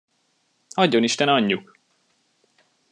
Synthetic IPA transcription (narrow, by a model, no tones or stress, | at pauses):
ɒɟːo̞niʃt̪ɛnɒɲːuk